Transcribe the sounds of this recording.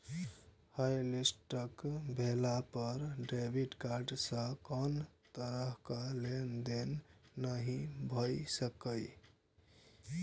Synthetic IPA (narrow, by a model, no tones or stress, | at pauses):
hajlisʈəkbʱelapəɾɖɾebʱiʈkaɾɖsə̃kənt̪əɾəɦkalend̪enːəɦĩbʱəjsəkəj